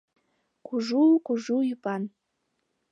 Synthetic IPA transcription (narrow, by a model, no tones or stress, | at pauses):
kuʒukuʒujupɑn